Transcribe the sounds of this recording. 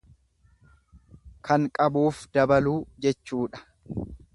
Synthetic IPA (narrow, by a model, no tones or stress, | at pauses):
kʰɐŋkʼɐbuːfd̪ɐbɐluːd͡ʒɛt͡ʃːuːᶑɐ̥